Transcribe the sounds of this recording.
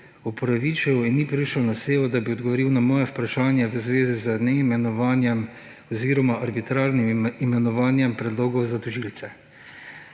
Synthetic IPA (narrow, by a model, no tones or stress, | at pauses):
upɔɾaʋit͡ʃɛinːipɾiʃɔwnaseːʋɔd̪abiɔd̪ɡɔʋɔɾiːwnamɔːjɛpɾaʃaːnjaʋəzʋeːzizənɛimɛnɔʋanjɛm | ɔziːɾɔmaʔaɾbit̪ɾaːɾnimimɛnɔʋaːnjɛmpɾɛd̪loːɡɔwzat̪ɔʒiːlt̪sɛ